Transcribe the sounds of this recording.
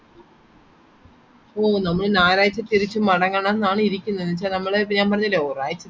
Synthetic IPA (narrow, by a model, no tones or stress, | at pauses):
oːnɐmːɐɭnaːɾaːjɐt͡ɕːɐt̪ːiɾit͡ɕːumɐɽɐŋːɐɳenːaːɳɨiɾikʲːunːɐnːt͡ɕːaːlnɐmːɐɭepɲaːmpɐrɐɲːɐleoːraːjɐt͡ɕːɐ